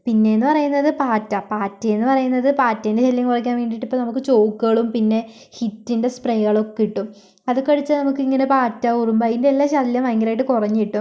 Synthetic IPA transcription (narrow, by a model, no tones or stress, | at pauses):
pinːe̞enːɨpɐrɐjunːɐðɨpaːtːɐpaːtːɐenːɨpɐrɐjunːɐðɨpaːtːɐjindeɕɐljɐŋkurɐk̬ʲːaːnʋeːɳɖiʈːipːoːnɐmukːɨt͡ɕo̞ːkːuɣɐɭumpinːe̞ | hitːinde̞sprejɐɣɐɭo̞kːiʈːum | ɐðɨkːɐɽit͡ɕːanɐmukːɨiŋːɐnepaːtːɐurumbɐjindeelːaːɕɐljɐmʋɐjŋɡɐlaːjiʈːɨkurɐɲːɨiʈːum